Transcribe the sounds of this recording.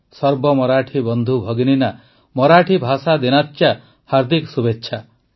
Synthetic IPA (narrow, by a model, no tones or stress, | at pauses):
sɔɾbɔmɔɾaʈʰibɔnd̪ʱubʱɔɡinina | mɔɾaʈʰibʱasad̪inat͡ʃːja | haɾd̪ʱiksubetːʃʰa